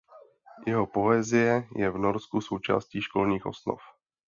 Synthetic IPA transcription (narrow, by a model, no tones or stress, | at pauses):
jɛɦopo̞ɛzɪjɛjɛvnoɾskuso̞wt͡ʃa̰ːsciːʃko̞lɲiːxʔo̞̰sno̰f